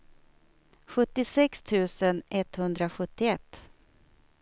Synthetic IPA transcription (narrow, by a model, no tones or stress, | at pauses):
ɧɵt̪ːɪsɛkst̪ʰʉ̟ːsənɛt̪hɵnd̪ɾaɧɵt̪ːɪɛt̪ː